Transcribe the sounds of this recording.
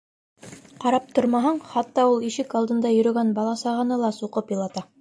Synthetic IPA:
qɑɾɑp̚t̪oɾmɑɦɑɴχɑt̪ːɑulˠiʃɘkɑlˠd̪ɤ̆nd̪ɑjɵ̆ɾɵ̆ɡænbɑlˠɑsɑʁɑnɤlˠɑsuqɤpjɤ̆lˠɑt̪ɑ

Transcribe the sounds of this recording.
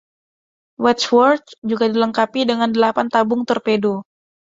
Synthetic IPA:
wɛt͡ʃwɔrt̪̚d͡ʒuɡadiləŋkapidəŋandəlapant̪abʊŋt̪ɔrpedo

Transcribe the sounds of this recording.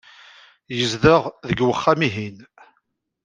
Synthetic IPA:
jəzðəʁðəɡwəχːæmiɦin

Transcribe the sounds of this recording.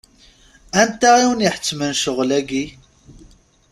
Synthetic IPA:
ænt̪æiwənjiħə̥t͡sːmənʃəʁlæɡi

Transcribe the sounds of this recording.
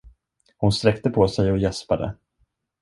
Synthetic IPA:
hʊnst̪ɾɛkt̪əpʰɔsɛjɔjɛspad̪ə̰

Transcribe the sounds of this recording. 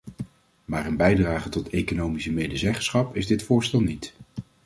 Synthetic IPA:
maːrənbɛjdraːχətɔtejkonowmisəmejdəzɛχəsχɑpɪzdɪtfʊːɹstɛlˠnit

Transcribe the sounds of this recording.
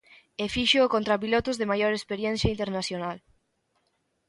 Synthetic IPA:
efiʃokont̪ɾap̬ilot̪ʊzðemajoɾespeɾjɛn̟θjɐint̪eɾnasjonal

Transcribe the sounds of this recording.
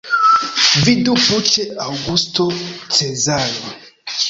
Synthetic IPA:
viduput͡ʃɛaɡustɔt͡sɛzalɔ

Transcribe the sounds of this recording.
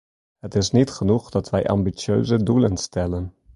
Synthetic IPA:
ɦətɪsnitχənuχdɑtʋɛjʔɑ̰mbisjø̰ɥzədulənstɛlən

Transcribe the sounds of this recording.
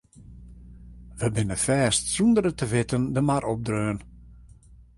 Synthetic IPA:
ʋəbɪnəfɛːstsundəɾətəʋɪtəndəmarʔɔp̚drøːən

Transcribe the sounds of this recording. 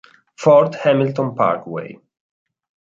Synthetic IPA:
fɔɾt̪hɛmɪlt̪ɔ̃npa̰ɾkwḛj

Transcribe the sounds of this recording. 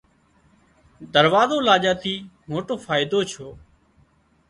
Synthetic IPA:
d̪əɾʋaːzoːlaːʄaːt̪ʰiːmoːʈoːfaːɪd̪oːt͡ʃʰoː

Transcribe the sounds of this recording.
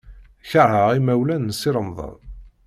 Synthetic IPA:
çəɾhəʁimæwlænnsiɾˤəmðˤə̰n

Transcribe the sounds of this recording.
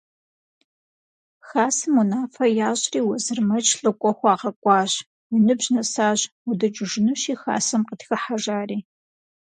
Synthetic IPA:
xaːsɨmunaːfɐjaːɕriːwɐzɨrmɐt͡ʃʰʼɬʼɨkʷʼɔxʷɑːʁɐkʷʼɑːɕ | wʊnɨbʑnɐsaːɕʊdɐt͡ʃʼɪʒɪnɨɕiːxa̰ːsɐmqətxɐħaʒaːriː

